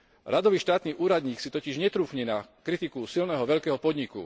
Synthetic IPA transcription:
ɾʔad̪ɔʋiːʃt̪aːt̪niːʔuːɾad̪ɲiːksit̪ɔciʒɲɛt̪ɾuːxɲɛnakɾit̪ikusilnɛːɦɔʋɛʎkɛːɦɔpɔd̪ɲikṵ

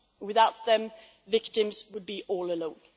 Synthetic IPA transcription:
wɪðaʊt̪̚ðə̃m | vɪk̚tɪ̃mzwəd̚biʔɔːləlõʊ̃n

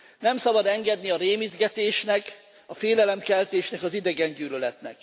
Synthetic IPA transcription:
nɛmsɒbɒd̪ɛŋɡɛd̪niɒɾeːmizɡɛt̪eːʃnɛk | ɒfeːlɛlɛmkɛlt̪eːʃnɛkɒzid̪ɛɡɛɲɟyːlølɛt̪nɛ̰k

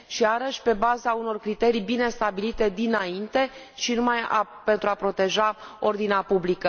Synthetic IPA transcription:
ʃiaɾəʃʲpe̞bazauno̞rkɾit̪e̞ɾijbine̞st̪abilit̪e̞d̪inaint̪e̞ | ʃinumaja̰pe̞nt̪ɾuapɾo̞t̪e̞ʒao̞rd̪ineapublikə

